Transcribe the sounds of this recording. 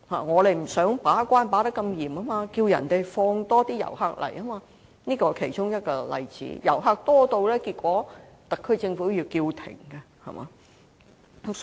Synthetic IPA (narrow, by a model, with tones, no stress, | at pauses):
ha̰ː˨˩ŋɔː˨˧le˨jm̩˨˩sœː˨˥ŋpaː˨˥kʷaː˥npaː˨˥t̪ɐ˥kːɐ˧mjiː˨˩ma˥maː˧kiː˧wjɐ̰˨˩nt̪e˨jfɔː˧ŋt̪ɔː˥t̪iː˥jɐ̰˨˩wha˧k̚lɐ̰˨˩jʔɐ˥maː˧ | niː˥kɔː˧kʰe˨˩jt͡ʃʊ˥ŋjɐ˥t̚kɔː˧lɐ̰˨˧jt͡sḭː˨˥jɐ̰˨˩wɦaː˧k̚t̪ɔː˥t̪o˧wlɛː˥kiː˧t̚kʷɔː˨˥ | t̪ɐ˨kʰːɵ˧ɥt͡sɪ˧ŋfuː˨˥ji˧wkiː˧wt̪ʰɪ̰˨˩ŋkɐ˧ | hɐ̰˨˩ma̰ː˨˧˦